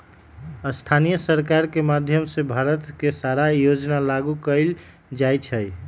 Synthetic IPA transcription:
əst̪ʰanijəsəɾkaɾkemad̪ʱjəmsebʱaɾət̪kesaɾajod͡ʒnalaɡukəɪl | d͡ʒajt͡ʃʰəj

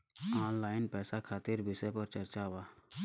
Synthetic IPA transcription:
aːnlaːɪnpɛːsakʰaːt̪ɪɾbʱɪsepəɾt͡ʃɐɾt͡ʃaʋaː

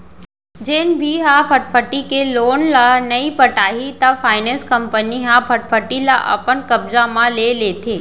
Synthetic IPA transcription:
d͡ʒenbʱiɦapʰəʈfʰəʈikelonlanəipəʈaɦit̪afaɪnẽnskəmpəniɦãpʰəʈ̚fʰəʈːila̰ʔə̰pəɳkəbzamãlelet̪ʰeː

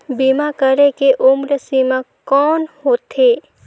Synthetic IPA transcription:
bimakəɾekeʔʊmɾəsima | kɔːnhoːt̪ʰeː

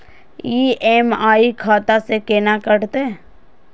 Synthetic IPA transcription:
iːeːmaːikʰaːt̪asekeːnakəɽt̪e

